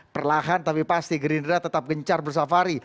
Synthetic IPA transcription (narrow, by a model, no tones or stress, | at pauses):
pərlaɦant̪apipast̪iɡəɾindəɾat̪ət̪ap̚ɡəɲt͡ʃarbərs̬afaɾi